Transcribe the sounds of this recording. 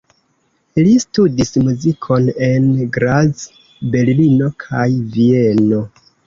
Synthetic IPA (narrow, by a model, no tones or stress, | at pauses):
listudismuzikʰo̞ne̞nɡɾaz | be̞ɾlino̞kʰajvie̞no̞